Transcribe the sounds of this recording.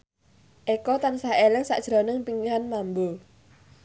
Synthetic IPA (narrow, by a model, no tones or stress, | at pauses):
ʔekɔt̪ansaɦelɪŋsa̰ʔd̥ʒ̥ɾonɪŋpiŋɡanmambu